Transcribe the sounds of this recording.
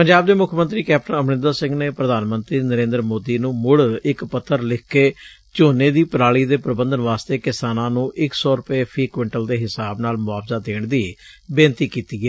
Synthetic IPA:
pəɲd͡ʒaːb̚d̪eːmʊkʰmə̃nt̪ɾiːkɛːp̚ʈənəmnɪ̃nd̪əɾsɪ̃ŋɡneːpɾəd̪aːnmə̃nt̪ɾiːnəɾẽːnd̪ɾmoːd̪iːnũːmʊɽɪkpət̪ʰːəɾlɪkʰkːeː | t͡ʃoːneːd̪iːpəɾaːɭiːd̪eːpɾəbə̃nd̪ənʋaːst̪eːkɪsaːnãːnũːʔɪksɔːɾʊpeːpʰɾiːkʋɛ̃ːɳʈəld̪eːɦɪsaːbnaːlmʊaːbzaːd̪eːɳd̪iː | beːnt̪iːkiːt̪iːɛː

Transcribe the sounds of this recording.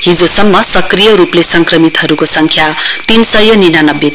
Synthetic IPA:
ɦid͡zosʌmːʌsʌkrijʌɾuplesʌŋkrʌmit̪ɦʌɾukosʌŋkʰjat̪insʌjʌninanʌbːje

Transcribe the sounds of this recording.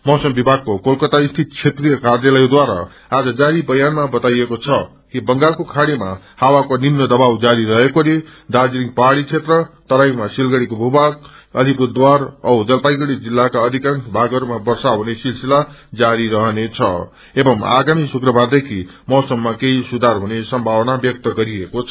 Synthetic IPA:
mʌwsʌmbibʱaɡ̚kokolkʌt̪aist̪ʰit̪̚t͡sʰet̪rijʌkarjalʌjd̪waɾa̰ | ad͡zʌd͡zaɾibʌjanmabʌt̪ajekot͡sʰʌ | kibʌŋɡarkokʰaɽima̰ | hawakonimnʌd̪ʌbawd͡zaɾiɾʌɦekoled̪ad͡ziɾiŋ̚paɽit͡sʰet̪rʌt̪ʌɾajmasilɡʌɽikobʱubaɡ | ʌlipud̪waɾʌud͡zʌlpajɡʌɽid͡zilːakaʌd̪ʱikansbʱaɡʌɾmabʌrsaɦunesilsilad͡zaɾiɾʌɦʌnet͡sʰʌ̰ | ebʌma̰ɡamisukrʌbʱard̪ekʰimʌwsʌmːakeisud̪ʱarɦunesʌmbʱawʌnabjʌk̚t̪ʌɡʌɾiekot͡sʰʌ

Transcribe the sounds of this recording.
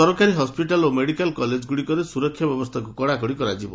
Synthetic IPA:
ɔɾɔkaɾiɦɔspiʈalomeɽikalkɔled͡ʒɡuɽikɔɾesuɾɔkʰːjɔbjɔbɔst̪ʰakukɔɽakɔɽikɔɾad͡ʒibɔ̰

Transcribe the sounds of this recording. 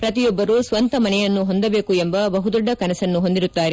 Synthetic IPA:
pɾɐt̪ijɔbːɐɾusʋɐnt̪ɐmɐnɛjɐnːuɦo̞nd̪ɐbe̞ːkuembɐbɐɦud̪ɔɖːɐkɐnɐsɐnːuɦo̞nd̪iɾut̪ːaːɾe

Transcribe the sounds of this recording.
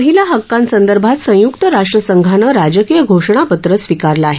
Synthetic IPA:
əɦiljaɦəkːãnsənd̪əɾbʱat̪sə̃jukt̪əɾaʂʈɾəsəŋɡʱanəɾad͡ʑəkijəɡʱoʂɳ̃apət̪ɾəsʋikaɾlaːɦe

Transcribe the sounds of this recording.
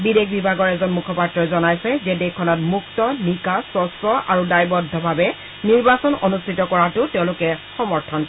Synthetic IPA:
bidekbibʱaɡɔɹɛzɔnmukʰɔpatɹɔjzɔnajsɛzɛdekʰːɔnɔtmuktɔnikasɔsɹɔa̰ɹudajbɔdʱːɔbʱabɛ | niɹbasɔnɔ̰nustʰitɔkɔɹatʊtɛʊ̃lʊkɛxɔmɔɹtʰɔn

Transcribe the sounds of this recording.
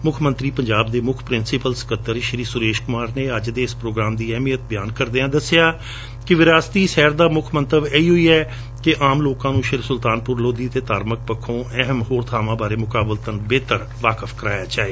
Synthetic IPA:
mʊkʰmə̃nt̪ɾiːpəɲd͡ʒaːbd̪eːmʊkʰpɾɪnsɪpəlsə̥kət̪ːəɾʃəɾiːsʊɾeːʃkʊmaːɾneːəd͡ʒd̪eːɪspɾoːɡɾaːmd̪iːɛːmiːət̪̚bɪjaːnkəɾd̪eːãːd̪əsɪjaː | kɪʋɪɾaːst̪iːʃɛːɾd̪aːmʊkʰmənt̪əʋeːiːɦʊiːɛː | kɪʔaːmloːkãːnũːʃəɾsʊlt̪aːnpʊɾloːd̪iːt̪eːt̪aːɾmək̚pəkʰːõːʔɛɦəmhoːɾt̪ʰaːʋãːbaːɾeːmʊkaːbəlt̪ənbeːt̪əɾ | ʋaːkəfʰkəɾaːjaːt͡ʃaːeː

